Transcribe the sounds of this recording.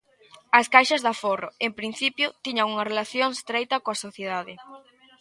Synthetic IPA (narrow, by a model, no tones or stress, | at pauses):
ɐskajʃɐzðɐforoempɾin̟θipjʊt̪iɲɐŋuŋɐrelaθjoŋest̪ɾejt̪ɐkoasoθjeðaðɪ